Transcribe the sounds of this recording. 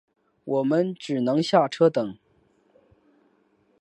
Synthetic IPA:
wʔɔ˨˩mə˦˥nʈ͡ʂɻ̩˨˩nɤ˧˥ŋɕja˥˩ʈ͡ʂʰɤ˥t̪ɤ˨˩˦ŋ

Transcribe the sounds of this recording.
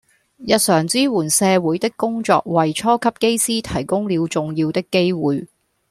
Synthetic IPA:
jɐ˨t̚sœː˨˩ŋt͡siː˥wuː˨˩nsɛː˧wuː˨˥jt̪ɪ˥kːʊ˥ŋt͡sɔ̰ː˧k̚wɐ˨jt͡ʃʰɔː˥kʰɐ˥p̚ke˥jsiː˥t̪ʰɐ˨˩jkʊ˥ŋliː˨˧wt͡sʊ˨ŋjiː˧wt̪ɪ˥kːe˥jwuː˨j

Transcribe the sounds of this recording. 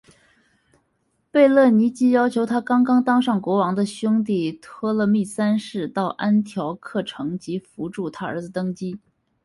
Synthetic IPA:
pe˥˧ɪlɤ˥˩ni˧˥t͡ɕi˥jɑ˥ʊt͡ɕʰjo˧˥ʊt̪ʰa˥kɑ˥ŋkɑ˥ŋt̪ɑ˥ŋʂɑ˥˩ŋkwɔ˧˥wɑ˧˥ŋd̪ə˧ɕjʊ˥ŋt̪̬i˥˩t̪ʰɔ˥lə˨mi˥˩sa˥nʂɻ̩˥˧t̪ɑ˥˩ʊʔa˥nt̪ʰjɑ˧˥ʊkʰɤ˥˩ʈ͡ʂʰɤ˧˥ŋt͡ɕi˧˥fu˧˥ʈ͡ʂu˥˩t̪ʰa˥ə̰˞˧˥d͡zɹ̩˧t̪ɤ˥ŋt͡ɕi˥

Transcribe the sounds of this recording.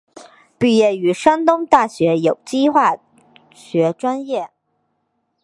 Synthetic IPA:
pi˥˧jɛ˥˩y˧˥ʂa˥nt̪ʊ˥ŋt̪a˥˩ɕɥɛ˧˥jo˨˩ʊt͡ɕi˥xwa˥˩ | ɕɥɛ˧˥ʈ͡ʂwa˥njɛ˥˩

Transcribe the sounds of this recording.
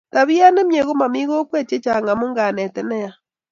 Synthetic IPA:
ta˨βi˦a˦ne˦mje˨ɣo˦ma˨mi˦ɣo˦kwɛ˦˨t͡ʃe˦t͡ʃa˨ŋɡa˨mo˦ŋɡa˨nɛ˨tɛ˨nɛ˦ja˦

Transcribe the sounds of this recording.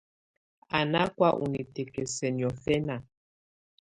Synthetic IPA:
a˨na˦kwa˦ʔṵ˨ni˨tɛ˨kɛ˨sɛ˨n˨ɔ˨fɛ˦na˨

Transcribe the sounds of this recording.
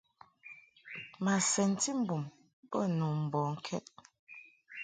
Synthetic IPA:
ma˨sɛ˨n̩˦ti˦m̩˦˨bu˨m | bə˦nu˨m̩˨bɔ˨ŋ̩˦kʰɛ̰˦t̚

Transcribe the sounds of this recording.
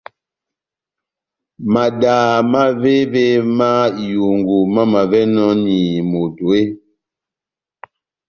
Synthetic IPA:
ma˨daː˨ma˦ve˦ve˦ma˦˨ju˨ŋɡu˨ma˦ma˨vɛ˦nɔ˦ni˨mo˨do˨e˦

